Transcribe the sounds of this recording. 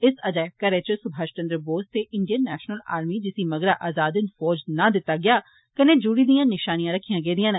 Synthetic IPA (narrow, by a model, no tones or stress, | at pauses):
ɪsəd͡ʒaːjkəɾeːt͡ʃəsʊbʱaːʃt͡ʃə̃nd̪ɾəboːst̪eːʔɪɳɖijənːɛːʃnəla̰ːɾmiːd͡ʒɪsiːməɡɾaːʔaːzaːd̪ɪnfɔːd͡ʒnãːd̪ɪt̪ːaːɡɪjaː | kəneːd͡ʒuːɽiːd̪ijãːnɪʃaːnijãːɾəkʰːijãːɡeːd̪ɪjãːn